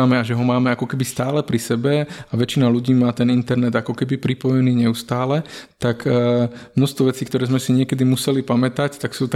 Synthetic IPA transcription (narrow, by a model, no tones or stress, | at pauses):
mɛaʒɛɦɔmaːmɛakɔkɛbist̪aːlɛpɾisɛbɛaʋɛt͡ʃinaluɟiːmaːt̪ɛnint̪ɛɾnɛd̪akɔkɛbipɾipɔjɛniːɲɛust̪aːlɛt̪akː | mnɔst̪ʋɔʋɛt͡siːkt̪ɔɾɛːzmɛsiɲɪɛkɛd̪imusɛlipamɛt̪act̪aksuːt̪a